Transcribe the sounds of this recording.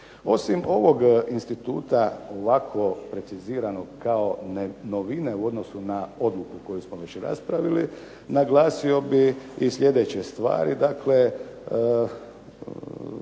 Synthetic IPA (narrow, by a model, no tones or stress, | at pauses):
o̞simo̞ʋo̞ɡinst̪it̪ṵːt̪ao̞ʋakʰʋo̞pɾe̞t̪siziːɾanoɡkao̞noʋine̞uo̞d̪nosunao̞d̪lukuko̞jusmoʋe̞t͡ɕɾa̰spɾaʋili | naɡlˠaːsio̞biislʎʲje̞d̪et͡ɕe̞st̪ʋa̰ːɾid̪akʰle̞